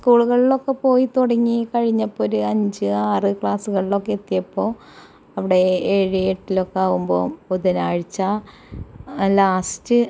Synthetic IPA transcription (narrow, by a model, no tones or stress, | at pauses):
skuːɭuɣɐɭilo̞kːe̞po̞ːjit̪uɽɐŋːikɐɻiɲːɐpːoːɾuɐɲd͡ʑɨaːrɨkɭaːsuɣɐɭilo̞kːet̪ːijɐpːo̞ː | ɐʋiɽe̞eɻijeʈːilo̞kːeaːʋumbo̞ːpuðunaːɻit͡ɕːaː | laːstɨ